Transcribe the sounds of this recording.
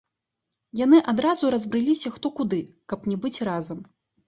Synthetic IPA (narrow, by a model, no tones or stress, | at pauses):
janɨʔad̪ɾazuɾɐzbɾɨlʲisʲɐxt̪ɔkud̪ɨ | kɐpnʲɛbɨt͡sʲrazɐm